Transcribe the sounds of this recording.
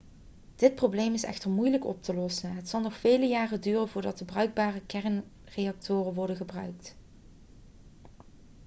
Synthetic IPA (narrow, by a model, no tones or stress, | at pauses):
d̥ɪt̚prowblejmɪsɛ̰xtəɹmujləkɔ̰p̚təlɔsənɦətsɑlˠnɔxfejləjaːrədyːrənvʊːɹdɑtəbrœɥɡ̚baːrəkɛɹn | rejɑk̚tʊːrəʋɔɹdənɣəbrœɥkt